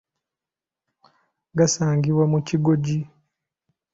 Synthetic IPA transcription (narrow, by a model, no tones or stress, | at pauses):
ɡasaːŋɡiβwamuciɡoɟi